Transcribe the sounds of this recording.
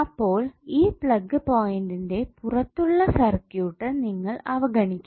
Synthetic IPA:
ɐpːoːliːpɭɐɡːɨpoːjɪnɖindeːpʊrɐt̪ːuɭːɐsɐrkjuːʈːɐniŋːɐɭɐʋɐɡɐɳɪkʲːum

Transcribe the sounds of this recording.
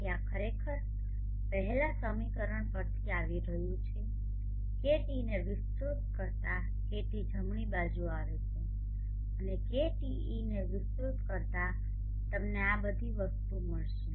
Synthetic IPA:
keakʰəɾekʰəɾ | pəɦɛlasəmikəɾəɳpəɾt̪ʰiaʋiɾəɦjũt͡ʃʰe | keʈineʋɪst̪ɾut̪̚kəɾt̪a | keʈid͡ʒʱəmɳibad͡ʒuaʋet͡ʃʰe | ənekeʈi | ineʋɪst̪ɾut̪kəɾt̪a | t̪əmneabəd̪ʱiʋəst̪uməɭʃe

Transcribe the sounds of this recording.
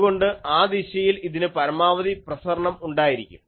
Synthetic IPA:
ɣo̞ɳɖɨaːd̪iɕɐjiliðinɨpɐɾɐmaːʋɐðiprɐsɐɾɐɳɐmuɳɖaːjiɾikʲːṵm

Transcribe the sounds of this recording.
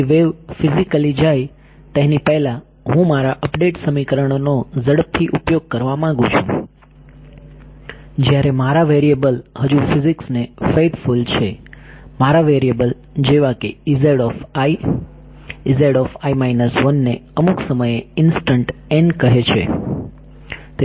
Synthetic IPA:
ʋeʋfizikəlid͡ʒaj | t̪eɦnipəɦla | ɦũmaɾaʔəpɖeʈsəmikəɾəɳ̃onozəɽəp̚t̪ʰiʔupjoɡ̚kəɾʋamãɡũt͡ʃʰṵ̃ | d͡ʒjaɾemaɾaʋeɾiebəlɦəd͡ʒufiziksnefet̪ʰfult͡ʃʰemaɾaʋeɾiebəl | d͡ʒeʋakeizeɽɔfai | izeɽɔfaimajnəsʋənːeəmuksəməjeɪnsʈəɳʈenɖkəɦet͡ʃʰḛ | t̪e

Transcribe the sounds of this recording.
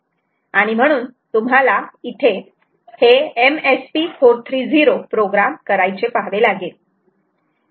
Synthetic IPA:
aɽ̃im̤əɽ̃uːnt̪um̤alait̪ʰe | heemespifoɾt̪ʰɾiːd͡ziɾopɾoɡɾamkəɾajt͡sepaɦʋelaɡe

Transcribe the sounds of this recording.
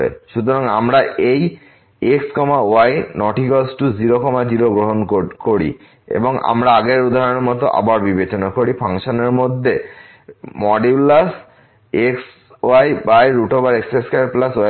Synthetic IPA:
ḛʃut̪oɾaŋamɾaʔej | ekskɔmaoajnɔʈikɔsʈud͡ʑiɾokɔmad͡ʑiɾoɡɾoɦonkoɾḭ | ḛboŋa̰mɾaaɡeɾud̪ʱaɾoneɾmɔt̪̬oʔa̰baɾbibet͡ɕonakoɾipʰaŋʃoneɾmod̪ʱːe | mɔɖiblas | eks | oajbajɾuʈobaɾekseskeɾplasoa

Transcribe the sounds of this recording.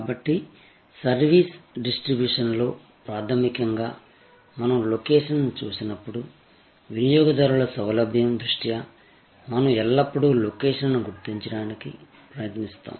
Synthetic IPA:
kabɐʈːi | sɐɾʋiːsɖisʈɾibjuːʂɐnlo̞ː | pɾaːt̪ʰɐmikɐŋɡaː | mɐnɐmlokeːʂɐnt͡ʃuːsinɐpːuɽu | ʋinijɔːɡɐd̪ɐɾulɐsɐwlɐbʱjɐmd̪ɾuʂʈija | mɐnɐmɛlːɐpːuɽulokɛːʂɐnnuɡuɾt̪iɲt͡ʃɐɽaːniki | pɾɐjɐt̪nist̪a̰ːm

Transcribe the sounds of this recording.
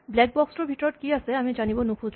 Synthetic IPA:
blɛk̚bɔksɾobʱiʈɔɾɔʈkiaseamid͡ʒanibonukʰu

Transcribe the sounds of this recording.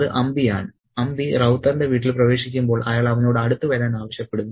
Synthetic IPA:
ɨʔɐmbija̰ːɳɨ | ɐmbirɐwt̪ːɐrndeʋiːʈːilprɐʋe̞ːʂikʲːumbo̞ːɭʔɐjaːɭɐʋɐno̞ːɽɨɐɽut̪ːɨʋɐɾaːnaːʋɐɕjɐpːe̞ɽunːu

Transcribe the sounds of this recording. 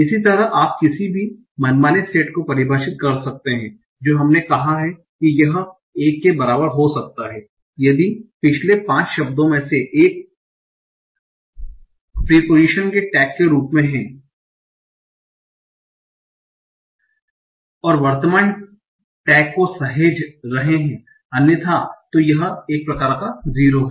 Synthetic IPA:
ɪsit̪ɐɾəʔaːp̚kɪsibʱi | mɐnmaːneseːʈkopɐɾɪbʱaːʃɪt̪̚kɐɾsɐk̚t̪eɦɛ̃ː | d͡ʒoːɦɐmnekɐɦaɦɛ | kijɐɦ | eːkːebɐɾaːbəɾɦosɐk̚t̪aɦɛː | jɐd̪ipɪt͡ʃʰlepãːt͡ʃʃɐb̚d̪õmẽseʔeːk̚ | piːpoːd͡ʒiʃənkeʈɛːkːeɾuːpmẽɦɛ̃ː | ɔːɾʋɐɾt̪əmaːn | ʈɛːkːosɐɦed͡ʒɾɐɦeɦɛ̃ː | ɐnjət̪ʰat̪ojɐɦeːk̚pɾɐkaːɾkaziːɾoɦɛː

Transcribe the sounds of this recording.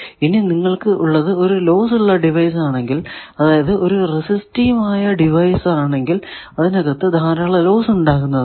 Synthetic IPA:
ininiŋːɐɭkɨʔuɭːɐðɨo̞ɾulo̞ːsuɭːɐɖiʋɐjs̬aːɳe̞ŋɡilɐðaːjɐðɨʔo̞ɾuresistiːmaːjɐɖiʋɐjsaːɳe̞ŋɡil | ɐðinɐɣɐt̪ːɨd̪ʱaːɾaːɭɐlo̞ːsuɳɖaːkːunːɐðɨ

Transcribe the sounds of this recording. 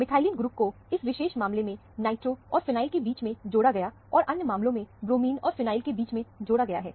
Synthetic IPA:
mɪt̪ʰaːɪliːnɡɾuːp̚ko | ɪsʋɪʃeːʃmãːmlemẽ | naːɪʈɾoɔːɾfɪnaːɪlkebiːt͡ʃmẽd͡ʒoːɽaɡɐja | ɔːɾʔɐ̃njəmãːmlõmẽbɾoːmiːnɔːɾfɪnaːɪlkebiːt͡ʃmẽd͡ʒoːɽaɡɐja̰ɦɛ̰ː

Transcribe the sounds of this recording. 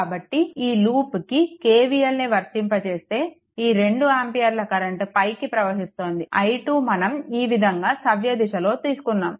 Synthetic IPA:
kaːbɐʈːiiːluːpkikeːʋijɐlniʋɐɾt̪impɐt͡ʃe̞ːst̪e̞ː | iːɾe̞ɳɖuaːmpijaːɾlɐkɐɾɐɳʈpɐjkipɾɐʋɐɦist̪o̞ːnd̪iʔɐjʈuːmɐnɐmiːʋid̪ʱɐŋɡaːsɐʋjɐd̪iʃɐlo̞ːt̪iːsu̥kunːaːm

